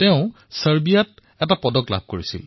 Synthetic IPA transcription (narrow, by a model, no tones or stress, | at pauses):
tɛʊ̃ | səɹbijat̚ | ɛtapɔdɔkla̰b̚ʱkoɹisḭl